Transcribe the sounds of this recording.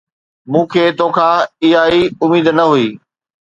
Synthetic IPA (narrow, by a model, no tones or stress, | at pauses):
mũːkʰeːt̪oːkʰãːɪɦaːiʊmiːd̪nɐɦuiː